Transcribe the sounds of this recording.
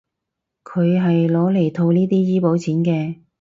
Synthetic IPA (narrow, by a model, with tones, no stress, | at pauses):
kʰɵ˨˧ɥɦɐ˨jlɔː˨˧le˨˩jt̪ʰo˧wniː˥t̪iː˥jiː˥po˨˥wt͡sʰiː˨˥nkɛː˧